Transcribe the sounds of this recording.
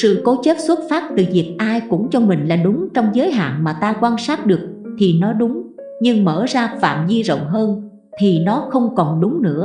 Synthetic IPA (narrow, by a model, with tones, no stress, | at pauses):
sɨ̰˧˨ko˨˦t͡ɕe˦˥p̚swə˦˥t̚faː˦˥p̚t̪ɨ˨˩vi˨˩ək̚ʔaː˧jkʊ̰˧˥ŋ͡mt͡ɕɔ˧mï˨˩ŋ̟laː˨˩ɗʊ˨˦ŋ͡mt͡ɕɔ˧wŋ͡mzəː˨˦jɦa̰ː˧˨nmaː˨˩t̪aː˧kwaː˧nsaː˦˥t̚ɗɨ˨˩ək̚ | t̪ʰi˨˩nɔ˨˦ɗʊ˨˦ŋ͡m | ɲɨ˧ŋməː˧˩zaː˧fa̰ː˧˨mzi˧zo̰˧˨wŋ͡mɦəː˧n | t̪ʰi˨˩nɔ˨˦xə˧wŋ͡mkɔ˨˩nɗʊ˨˦ŋ͡mnɨ̰˧˥ə